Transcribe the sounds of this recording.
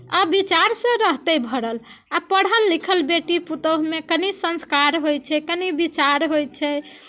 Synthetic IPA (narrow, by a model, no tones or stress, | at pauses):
əbit͡ʃaɾsə̃ɾəɦt̪əbʱəɽəl | apəɽ̤əlːikʰəlbeʈiput̪əɦmekənisə̃nskaɾɦojt͡ʃʰɛkənibit͡ʃaɾɦojt͡ʃʰɛ